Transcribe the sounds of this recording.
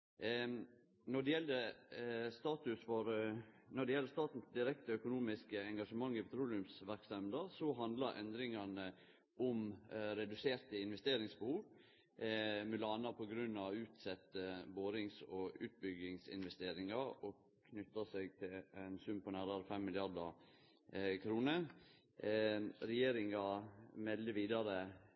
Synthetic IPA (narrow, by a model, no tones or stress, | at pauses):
nɔɖɛjɛld̪ə | st̪ɑːt̪ʉsfɔɾnɔɖɛjɛlːəst̪ɑːt̪n̩sd̪ɪɾɛkt̪əœkʊnuːmɪskəɛŋɡɑʂəmɑŋːɪpʰɛt̪ʰɾuːlɪʉmsʋæɾkst̪ɛmd̪əɾsɔɦɑnd̪lɑɾʔɛ̰nd̪ɾɪŋɑnə | ɔmɾɛd̪ʉseːɾt̪əɪnʋɛst̪eːɾɪŋsbəhuːʋ | mʉlɑːnɑpʰɔɡɾʉnːɑʋʉːt̪sɛt̪ːəboːɾɪŋsɔʉːt̪̚bʏɡɪŋsɪ̰nʋɛst̪eːɾɪŋɑɾɔ | kʰnʏt̪ːɑsɛɡt̪ʰɪlɛnsʉmpʰɔnæːɾɑɾəfɛmːɪljɑd̪ɑɾ | kʰɾuːnə | ɾɛjeːɾɪŋɑmɛld̪əʋiːd̪ɑɾə